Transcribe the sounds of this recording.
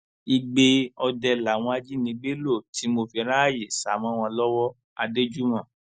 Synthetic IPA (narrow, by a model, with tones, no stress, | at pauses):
i˧ɡ͡be˧ɔ˧dɛ˧la˨w̃ɔ̃˧a˧d͡ʒi˦nĩ˧ɡ͡be˦lo˦˨ti˨˦mo˧fi˧ɾa˦˨je˨sa˨mɔ̃˨˦w̃ɔ̃˧lɔ˦wɔ˦ | a˧de˦d͡ʒu˦mɔ̃˦˨